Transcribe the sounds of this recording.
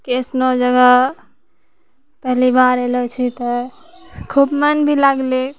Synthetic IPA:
ksnod͡ʒəɡa | pəɦlibaɾelɔt͡ʃʰit̪ɔ | kʰubmənbʱilaɡle

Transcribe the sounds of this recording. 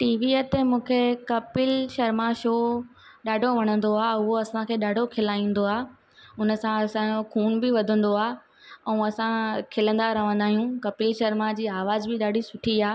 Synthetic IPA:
ʈiːʋiət̪emũːkʰekɐpɪlʃɐɾmaʃoː | ɗaːɖʱoʋɐɽ̃ə̃nd̪oaːʊɦoɐsãkʰeːɗaːɖʱokʰɪlaːĩːn̆d̪oaː | ʊnə̆sãɐsãokʰuːnbɪʋɐd̪ʱə̃nd̪oaː | ɛ̃ːɐsãkʰɪlə̃nd̪aɾɐʋ̤ə̃nd̪aːɦijũkɐpɪlʃɐɾmad͡ʑiːaːʋaːzbɪɗaːɖʱisʊʈʰiaː

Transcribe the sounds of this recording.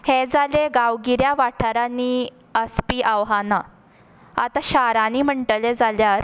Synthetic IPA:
hed͡zaleɡaʋɡiɾjaʋaʈʰaɾani | əspiːʔaʋɦana | a̰t̪aɕaɾaniːm̤əɳʈəled͡zaljaɾ

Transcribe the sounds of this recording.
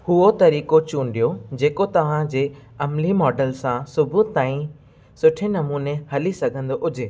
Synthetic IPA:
hʊot̪ɐɾiːkot͡ɕũːnɗijod͡ʑeːkot̪ɐʋ̤ãd͡ʑeː | ɐmlimɔːɖəlsãsʊbʱʊt̪aːĩ | sʊʈʰenɐmuːnehɐlisɐɡʱə̃nd̪oʔʊd͡ʑʱeː

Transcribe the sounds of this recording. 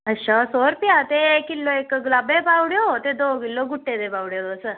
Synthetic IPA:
əɕasoɾpjat̪ekilːoekːəɡlabepawɽjot̪ed̪okilːoɡuʈːed̪ebawɽjod̪osə

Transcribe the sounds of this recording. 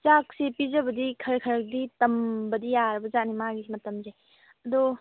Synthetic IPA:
t͡ʃak̚sepizəbəd̪ikʰɐɾkʰɐɾək̚d̪it̪ɐmbəd̪ijaɾbəzanimaɡimɐt̪ɐmze | ɐd̪ɔ

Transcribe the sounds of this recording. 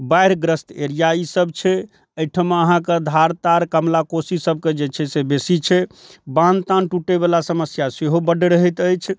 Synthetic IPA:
bajɾɡɾəst̪eɾijaisəb̚t͡ʃʰɛ | əjʈʰəmeəɦãked̪ʱaɾt̪aɾkəmlakosisəb̚ʱked͡ʒet͡ʃʰɛsebesit͡ʃʰɛbãnt̪ãnʈuʈebelasəməsjaseɦobəɖɾəɦɛt̪əjt͡ʃʰ

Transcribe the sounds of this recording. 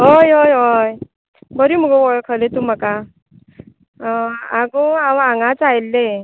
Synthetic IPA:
ɦojɦojɦoj | bəɾim̤uɡɔʋɔjkʰəlet̪um̤aka | aɡuawaŋɡat͡sajlːe

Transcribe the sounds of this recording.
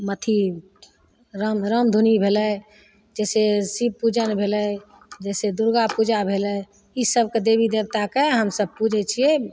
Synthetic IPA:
mət̪ʰi | ɾəmɾəmd̪ʱunibʱeləj | d͡ʒɛsesib̚pud͡ʒənbʱeləj | d͡ʒɛsed̪uɾɡapud͡ʒabʱelə | isəb̚ked̪ebid̪ebt̪akeɦəmsəb̚pud͡ʒʱɛt͡ʃʰie

